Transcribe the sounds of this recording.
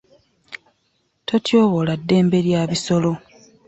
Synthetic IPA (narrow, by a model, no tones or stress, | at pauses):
to̞tjoːβo̞ladːe̞ːmbe̞ɾjaːβiso̞lo̞